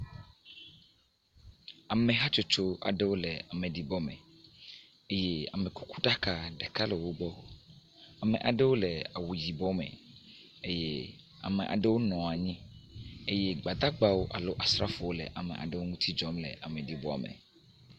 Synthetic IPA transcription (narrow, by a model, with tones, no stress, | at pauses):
a˨mẽ˨ɦa˦t͡ʃo˦t͡ʃo˦a̰˨ɖe˦wo˦le˨a˨mẽ˨ɖi˨bɔ˦mḛ˨ | e˦je˦a̰˨mẽ˨ku̥˦ku̥˦ɖa˦ka˨ɖe˨ka˦le˨wo˦ɡ͡bɔ˦wo˦ | a˨mɛ̃˨ʔa̰˨ɖe˦wo˦lɛ˨a˨wu˨ji˨bɔ˦mɛ̰̃˨ | e˦je˦ | a̰˨mɛ˨ʔa̰˨ɖe˦wo˦nɔ̃˨a˨ɲĩ˦e˦jɛ˦ɡ͡ba˨d̪a˦ɡ͡ba˦wo˦ʔa˨lo˦ʔa˨sɾa̰˦fo˨wo˦lḛ˨ʔa˨mɛ̰̃˨ʔa̰˨ɖe˦wo˦ŋũ˦t̪ʰi˦d͡ʒɔ˦mlɛ̰˨ʔa˨mẽ˨ɖi˨bɔ˦˨mḛ̃˨